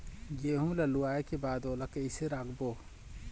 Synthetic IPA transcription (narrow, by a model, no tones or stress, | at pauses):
jeːɦũlɐluaːekebaːd̪oːlakeɪseɾaːɡboː